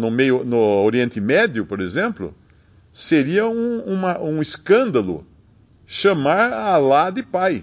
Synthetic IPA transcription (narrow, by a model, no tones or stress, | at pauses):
nʊmejʊnʊoɾiẽnt̪ɪmɛd̪jʊpoɾezẽmplʊ̰ | seɾiɐũũmɐʔũɪskɐ̃nd̪ɐlʊ̰ | ʃɐ̃maɾalad̪ɪpaj